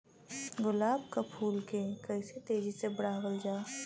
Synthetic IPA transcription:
ɡʊlaːb̚kapʰuːlkekəɪset̪eːd͡ʒisebɐɽaːɣəld͡ʒaː

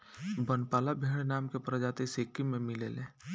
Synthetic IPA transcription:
bənpaːlabʱeːɽ̃naːmkepɾəd͡ʒaːt̪eseːkimẽmɪlḛːlẽː

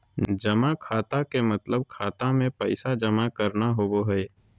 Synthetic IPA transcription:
d͡ʒəmakʰaːt̪akemət̪ləb̚kʰaːt̪amẽpəɪsad͡ʒəmakəɾnaɦoboɦɛe

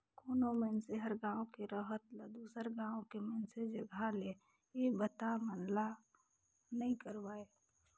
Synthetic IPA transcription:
koːnomɛnseɦəɾɡãːõkeɾəɦət̪ləd̪uːsəɾɡãːõkemɛːnsed͡ʒəɡʱale | ebət̪amənla | nəĩkəɾwaːe

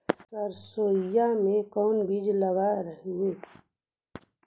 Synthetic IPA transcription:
səɾsoːjamẽkɔːnbid͡ʒləɡaɾəɦe

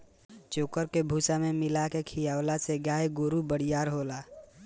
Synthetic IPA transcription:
t͡ʃoːkəɾkebʱuːsamemɪlakekʰijaːwlaseɡaːjɡoːɾubəɽijaːɾɦoːlaː

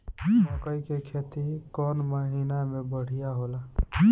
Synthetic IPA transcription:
məkəjkekʰet̪ikɔnməɦinamebəɽ̤ijaɦola

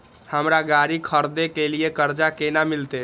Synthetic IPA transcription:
həmɾaɡaɾikʰəɾd̪ekelijekəɾd͡ʒakenamilt̪e

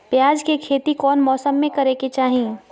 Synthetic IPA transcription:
pjaːd͡ʒkekʰeːt̪ikɔːnmɔːsəmːẽkɐɾeket͡ʃaːɦĩː

